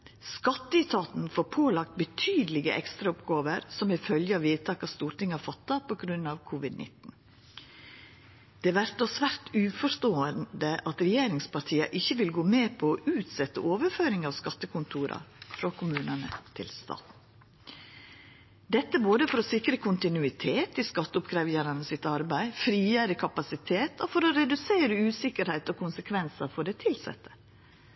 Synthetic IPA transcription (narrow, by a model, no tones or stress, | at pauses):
skɑt̪ːəɪt̪ʰɑːt̪n̩foːɾpʰoːlɑk̚t̪̚bət̪ʰyːd̪əlɪɡə̰ʔɛ̰kst̪ɾɑʊpɡoːʋəɾsɔmɪfœljəɑʋiːd̪t̪ʰɑːkɑst̪uːɾt̪ɪŋɑfɑt̪ːɑpʰɔɡɾʉnɑʋkʰʊʋɪd̪nʔɪ̰t̪n̩ | d̪̥ɛʋæɾt̪ɔsʋæɾt̪ʉːfɔʂt̪oːənd̪əʔɑt̪ɾɛjeːɾɪŋspɑɾʈ̪ʰiːəʔɪçːəʋɪlɡoːmeːpʰɔɔʔʉːt̪sɛt̪ːəʔoːʋəɾføːɾɪŋɑːʋskɑt̪ːəkʰʊnt̪ʰuːɾʔɑ̰fɾɑkʰʊmʉːnənə̰t̪ʰɪ̰lst̪ɑ̰ːt̪ | d̪ɛt̪ːəboːd̪əfɔɾɔsɪkɾəkʰʊnt̪ɪnʉɪt̪ʰeːt̪ɪskɑt̪ːəʊpkʰɾæːʋjæɾɑnəsɪt̪ɑɾbæɪfɾiːjæːɾəkʰɑpɑsɪt̪ʰeːt̪ɔfɔɾɔɾɛd̪ʉseːɾəʉːsɪkəɾhæɪt̪ɔkʰʊnsəkʰʋɛnsɑfɔɖɛt̪ʰɪlsɛ̰t̪ːə̥